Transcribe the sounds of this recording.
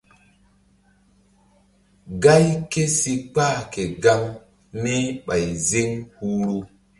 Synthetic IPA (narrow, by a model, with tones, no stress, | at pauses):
ɡa˦jke˦si˨k͡pa˦ke˨ɡa˦ŋ | ni˦ɓa˨jzi˦ŋhuː˦ɾu˦